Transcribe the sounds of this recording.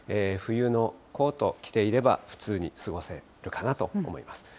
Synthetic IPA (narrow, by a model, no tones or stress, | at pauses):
eːɸɯ̟jɯ̟ːno̞ko̞ːt̪o̞kʲi̥t̪e̞iɾe̞ba̰ɸɯ̟̥t͡sɨːɲ̟isɨɡo̞se̞ | ɾɯ̟kanat̪o̞̰omo̞̰ḭmasɨ̥